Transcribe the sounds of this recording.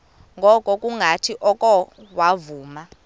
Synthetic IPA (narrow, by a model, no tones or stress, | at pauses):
ŋɡʱɔkʼɔkʼuŋɡʱatʰiʔɔkʼɔwavuːma